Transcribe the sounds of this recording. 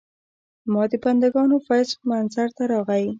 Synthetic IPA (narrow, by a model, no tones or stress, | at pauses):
mɑd̪əpand̪aɡɑnofajsmanzaɾt̪aɾɑɣawi